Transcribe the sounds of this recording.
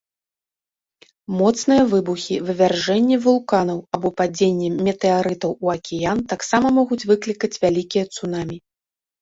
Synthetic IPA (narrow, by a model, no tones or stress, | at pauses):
mɔt̪snɨjɐvɨbuxʲivɨvʲarʐɛnʲːɛvulˠkanɐwabɔpad͡zʲenʲːɛmʲɛt̪ɛaɾɨt̪ɐwuɐkʲɛjant̪aksamɐmɔɣut͡sʲvɨklʲikɐt͡sʲvʲalʲikʲijɐt̪sunamʲi